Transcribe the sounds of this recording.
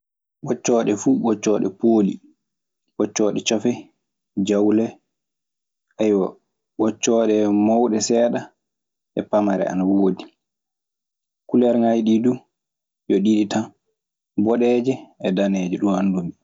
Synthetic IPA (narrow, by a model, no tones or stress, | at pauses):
ɓɔt͡ʃːɔːɗɛfuːɓɔt͡ʃːɔːɗɛ̰poːlḭ | ɓɔt͡ʃːɔːɗɛt͡ʃɔfɛ | d͡ʒawlɛ | ʔajwa | ɓɔt͡ʃːɔːɗɛmɔwɗɛsɛːɗa | ɛpamaɾɛ̰a̰nawodi | kulɛɾŋajɗidu | jɔɗiɗita | bɔɗɛːd͡ʒɛɛdanɛːd͡ʒɛɗumhandumi